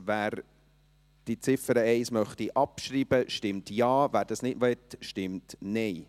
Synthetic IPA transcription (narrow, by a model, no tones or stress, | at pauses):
væːɾ | d̥it͡sɪfəɾəɛɪsmœχtiʔɑpʃɾiːbəʃtɪmtjɑːvæːɾd̥ɑsnɪdmɛtʃtɪmtnɛɪ